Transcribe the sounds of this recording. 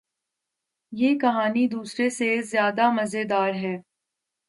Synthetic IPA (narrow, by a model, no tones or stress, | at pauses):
jeːkɐɦaːnid̪uːsɾesezjaːd̪amɐzed̪aːɾɦɛː